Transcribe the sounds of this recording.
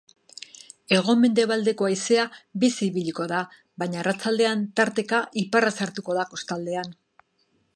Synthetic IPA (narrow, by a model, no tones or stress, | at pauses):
e̞ɣ̞o̞me̞nd̪e̞βald̪e̞ko̞ajse̞abisiːβiʎiko̞ða | βaɲarat͡sald̪e̞ant̪aɾt̪e̞kaʔiparasaɾt̪uko̞ðako̞st̪ald̪e̞an